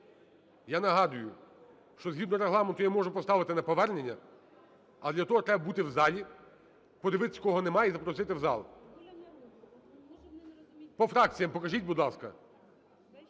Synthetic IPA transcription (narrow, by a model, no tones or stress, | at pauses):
janɐɦɑd̪ʊjʊ | ʃt͡ʃɔzɦʲid̪nɔɾeɦlˠɑment̪ʊjamɔʒʊpɔst̪ɑʋɪt̪ɪnɐpɔʋɛrnenʲːɐ | ɐlˠdlʲɐt̪ɔɦɔt̪ɾɛbɐbut̪ɪwzɑlʲi | pɔd̪eʋɪt̪ɪsʲkɔɦɔnemɑjɛzɐpɾɔsɪt̪ɪwzɑ̰lˠ | pɔfɾɑk̚t͡sʲijɐmpɔkɐʒʲitʲbud̪lˠɑskɐ̰